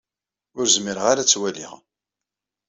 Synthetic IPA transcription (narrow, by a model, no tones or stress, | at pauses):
ʊɾzmɪɾəʁaɾat͡sːwælḭʁ